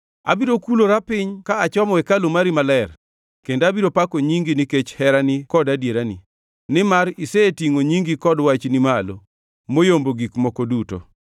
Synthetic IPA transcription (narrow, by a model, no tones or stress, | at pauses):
a̰biɾokuloɾapɪɲkaːt͡ʃɔmɔwɛkalomaɾimalɛr | kendabiɾopakoɲiŋɡinɪket͡ʃhɛɾanɪkɔdadjeɾanḭ | nɪmaɾisetiŋoɲiŋɡikɔdwat͡ʃnɪmalo | mojomboɡikmɔkoduto̰